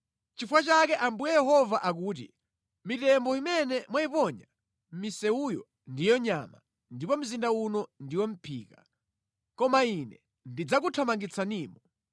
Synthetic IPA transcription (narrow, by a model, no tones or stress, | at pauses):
t͡ʃifwat͡ʃakɛʔambujɛjɛɦɔvaʔak̬uːt̬ḭ | mitɛmbɔimɛnɛmwaipɔɲa | m̩misɛujɔ̰ | ndijɔɲama̰ | ndipɔm̩zindaunɔndiwɔm̩pʰḭːka | kɔmainɛ̰ | ndid͡zak̬utʰamaŋɡit͡sʰaniːmɔ